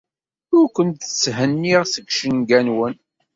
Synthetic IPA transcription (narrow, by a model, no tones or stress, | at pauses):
ʊɾkʷənt̪θəsɦənːiʁsəkʃənɡænwən